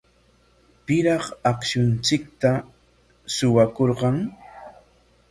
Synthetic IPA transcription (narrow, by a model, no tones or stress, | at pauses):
pɪɾɑχɑkʃʊnt͡sɪk̚t̪a | sʊwakoɾɢɑŋ